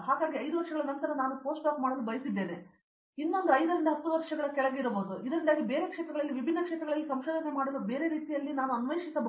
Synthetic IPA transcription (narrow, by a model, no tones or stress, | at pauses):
ɦaːɡaːɡiɐjd̪uʋɐɾʂɐɡɐɭɐnɐnt̪ɐɾɐnaːnupo̞ːsʈaːkmaːɽolubɐjsid̪ːe̞ːne | inːo̞nd̪uɐjd̪ɐɾind̪ɐɦɐt̪ːuʋɐɾʂɐɡɐɭɐkɛɭɐɡeiɾɐboːd̪uʔid̪ɐɾind̪aːɡibe̞ːɾe̞kʂɛːt̪ɾɐɡɐɭɐlːiʋibʱinːɐkʂɛːt̪ɾɐɡɐɭɐlːisɐmʃoːd̪ʱɐnemaːɽolube̞ːɾe̞ɾiːt̪ijɐlːinaːnuɐnʋɐjʂisɐb